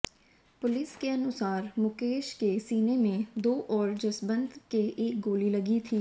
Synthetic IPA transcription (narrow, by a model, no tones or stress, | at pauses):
pʊlɪskeɐnʊsaːɾmʊkeːʃkesiːnemẽd̪oːʔɔːɾd͡ʒɐsbə̃nd̪keʔeːk̚ɡoːlilɐɡit̪ʰiː